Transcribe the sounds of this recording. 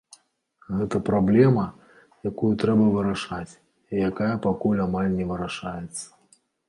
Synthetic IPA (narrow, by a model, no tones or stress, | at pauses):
ɣɛt̪ɐpɾablʲɛmɐ | jakujut̪ɾɛbɐvɨɾaʂat͡sʲ | ijakajɐpakulʲamalʲnʲɛvɨɾaʂajɛt̪sːɐ̥